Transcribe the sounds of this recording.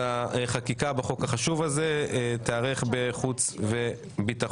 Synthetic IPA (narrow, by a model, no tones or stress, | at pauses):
aeχakikabeχo̞kaχaʃuvazet̪eaʁeχbe̞χut͡sve | bit̪a